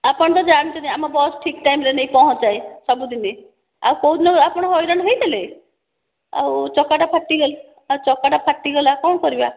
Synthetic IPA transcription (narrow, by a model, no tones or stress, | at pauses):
apɔɳt̪̬ɔd͡ʒaɽ̃t͡ʃʰɔnajamabɔːsʈʰikʈajmɾenejpɔɦɔ̃t͡ʃaesɔbud̪ine | a̰wkɔɦud̪nɔapɔɽ̃ɦɔjɾanɦɔjt̪ʰele | a̰wt͡ʃɔkaʈapʰaʈːiɡɔl | at͡ʃɔkːaʈapʰaʈːiɡɔlakɔɳkɔɾiba